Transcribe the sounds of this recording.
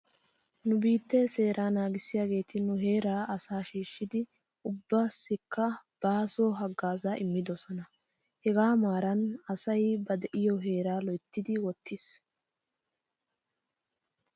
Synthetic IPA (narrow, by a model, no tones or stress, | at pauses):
nʊbiːt̪ːɛse̞ːɾʔaːnaːɡɪsɪjaːɡe̞ːt̪ʰɪnʊɦe̞ːɾaːʔɐsaːʃiːʃːɪd̪ɪ | ʊbːaːsːɪkːɐb̥aːsoːɦɐɡːaːzaʔɪmːɪd̪ɔsɔnɐ | hɛɡaːmaːɾɐnɐsɐjbɐd̪ɛʔɪjɔɦe̞ːɾaːlɔjt̪ːɪd̪ɪwɔt̪ʰːɪs